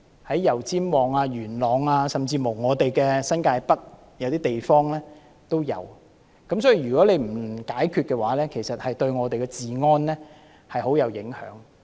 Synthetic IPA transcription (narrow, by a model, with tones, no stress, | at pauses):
hɐ˨˥jːɐ˨˩wt͡siː˥mwɔː˨˩ŋaː˧ɥyː˨˩nlɔː˨˩ŋaː˧sɐ˨mt͡siː˧mo˨˩wŋɔː˨˧t̪e˨jkɛː˧sɐ˥nkaː˧jpɐ˥k̚ | jɐ˨˧wt̪iː˥t̪e˨jfɔː˥ŋlɛː˥ | t̪o˥wjɐ̰˨˧w | kɐ˨˥msɔː˨˥ji˨˧˩jyː˨kɔː˨˥le˨˧jm̩˨˩kaː˨˥jkʰyː˧t̚kɛ˧waː˨˥lɛː˥kʰe˨˩jsɐ˨t̚hɐ˨jt̪ɵ˧ɥŋɔː˨˧t̪e˨jkɛ˧t͡siː˨ŋɔː˥nlɛː˥ | hɐ˨jho˨˥wjɐ˨˧wjɪ˨˥ŋhœ̰ː˨˥ŋ